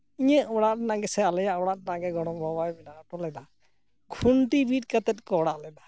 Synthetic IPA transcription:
iɲɛʔɔɽatnaɡɛsɛalɛjaʔɔɽat̚naɡɛɡɔɽ̃ɔmbʱɔbajbɛnaʈɔlɛd̪a | ɡʰʱuɳʈibiʈ̚kət̪ɛt̪̚kɔɽaʔlɛd̪a

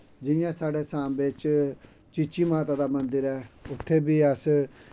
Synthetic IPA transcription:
d͡ʒɪjãːsaːɖeːsãːmbɪt͡ʃ | t͡ʃit͡ʃiːmaːt̪aːd̪aːmənd̪əɾɛːʊt̪ʰːeːbiːəs

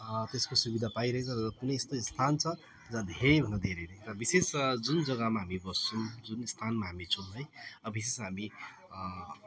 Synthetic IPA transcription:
t̪eskosubid̪ʱapaiɾʌɦẽt͡sʰʌɾʌkunʌjst̪ost̪ʰant͡sʰʌ | d͡zãd̪ʱeɾebʱʌnʌd̪ʱeɾeɾʌ̃rʌbisesd͡zund͡zʌɡʌmaɦamibʌst͡sʰund͡zunst̪ʰanmaɦamit͡sʰunɦʌjʌbisesɦami

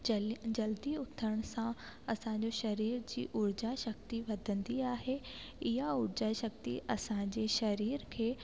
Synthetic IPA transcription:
d͡ʑɐld̪iʊt̪ʰəɽ̃sã | ɐsãːɲ̆d͡ʑoʃɐɾiːɾd͡ʑḭːʔʊɾd͡ʑaʃɐk̚t̪iʋɐd̪ʱə̃nd̪iaːɦe | ɪɦaʊɾd͡ʑaʃɐk̚t̪ḭʔɐsãɲd͡ʑeʃɐɾiːɾkʰeː

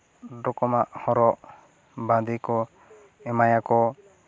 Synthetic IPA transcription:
ɖɔkɔmaʔhɔɾɔʔ | bãd̪ikɔ | ɛmajakɔ

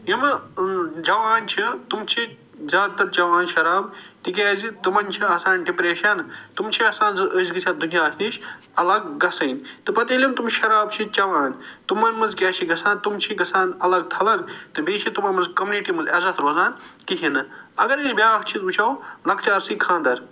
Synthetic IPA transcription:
ɦimɐ | d͡ʒɐʋaːnt͡ʃʰit̪umt͡ʃʰi | zʲaːd̪̚t̪ɐɾt͡ʃɐʋaːnʃɐɾaːbt̪ikʲɛːzit̪ɨmɐnt͡ʃʰiɐːsaːnɖipɾeːʃɐnt̪umt͡ʃʰiɐsaːnzɨʔəsɡɨt͡ʃʰat̪̚d̪unijaːk̪ʰiʃ | ɐlɐɡ̚ːɐsɐːnt̪ɨpɐt̪iːlʲimt̪umʃɐɾaːbt͡ʃʰit͡ʃɐʋaːnʲt̪umɐnmɐnzkʲɛːt͡ʃʰiɡɐsaːnt̪umt͡ʃʰiɡɐsaːnɐlɐɡ̚t̪ʰɐlɐɡt̪ɨbʱiːt͡ʃʰit̪umɐnmɐnzkɐmjuniʈimɐnzɐzɐt̪ɾoːzaːnkiɦinɨɐɡɐɾisbʲjaːkt͡ʃʰizut͡ʃʰawlɐkt͡ʃaːɾsikʰãːnd̪ɐɾ

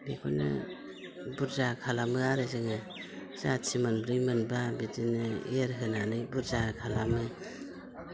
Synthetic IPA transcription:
bikʰo̰jnɯ̰ | buɾzakʰalamɯaɾɯzɯŋɯ | zat͡ʃʰimanbɾɯjmɯnbabidinɯḛɾɦɯnanɯbuɾzakʰalamɯ

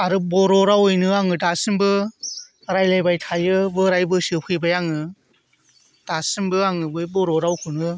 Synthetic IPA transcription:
aɾɯbɔɾɔɾawɯjnɯaŋɯdasɯmbɯ | ɾajlajbajtʰajɯbɯɾajbɯsɯpʰɯjbajaŋɯ | d̥asɯmbɯaŋɯbɯbɔɾɔɾawkʰɯnɯ

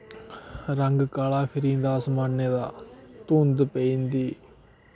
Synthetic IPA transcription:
ɾəŋɡkaːlaːpʰɪɾiːnd̪aːsmaːnːeːd̪aːt̪uːnd̪peːiːnd̪iː

